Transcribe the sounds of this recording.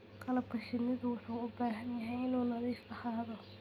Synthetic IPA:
qʰɐlɐbɐʃɪnɪðʊwɑħuːʊbaːɦɐnjɐɦɛjɪnuːnɐðiːsɐħaːðɔ

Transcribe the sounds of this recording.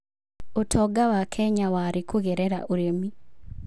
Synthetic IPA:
otʰɔɡawakʰɛɲawaɾɪkoɣɛɾɛɾa̰ʔoɾemi

